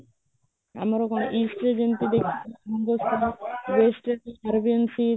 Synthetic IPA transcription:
a̰maɾɔkɔnoʔisʈɾed͡ʑent̪id̪ekʰieand̪ost̪ʰawesʈeaɾbiensi

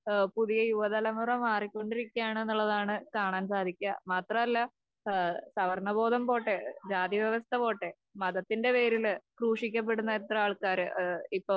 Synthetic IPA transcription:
puðijɐjuʋɐðɐlɐmurɐmaːrikʲːo̞ɳɖiɾikʲːaːɳe̞nːuɭːɐðaːɳɨkaːɳaːnsaːd̪ʱikʲːɐ̰maːt̪rɐmɐlːɐ | sɐʋɐrɳɐbo̞ːd̪ɐmpo̞ːʈːed͡ʑaːd̪iʋjɐʋɐst̪ʰɐpo̞ːʈːe | mɐðɐt̪ːinde̞pe̞ːɾilkruːʂikʲːɐp̬ːe̞ɽunːɐet̪rɐaːɭkaːɾɨipːo

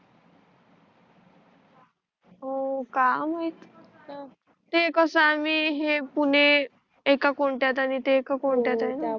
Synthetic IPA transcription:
ɦokaməit̪ | t̪ekəsəamiːɦepuɳ̤e | ekakoɳʈjat̪̬aɽ̃it̪eːkakoɳʈjat̪ajna

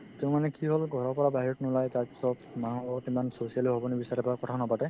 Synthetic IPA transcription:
temanɛkiɦolɡʱɔɹɔɹpɔɹabaɦiɔtnɔlajtatsɔb̚manɦuɔkimansosijaliɦɔbɔnibisaɾɛpɔakɔtʰaɔnapatɛ

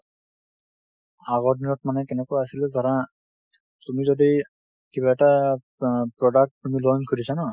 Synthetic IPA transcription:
aɡɔɹdinɔt̚manɛkɛnɛkojasilɛzaɹa | tumizɔdi | kibaɛta | pɹɔdak̚tːumilɔnkʰudisanɔ

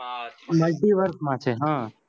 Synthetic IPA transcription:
məɖiʋəɾkmãt͡ʃʰeɦã

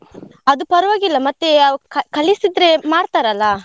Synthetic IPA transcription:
ɐd̪upɐɾɐʋaːɡilːɐmɐt̪ːeɐkkɐlisid̪ɾemaːɾt̪aːɾɐlːa

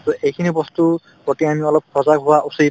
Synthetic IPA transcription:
tuejkʰinibɔst̪u | kɔtiamiɔlɔp̚ʰɔzakɦʊwaʔusid

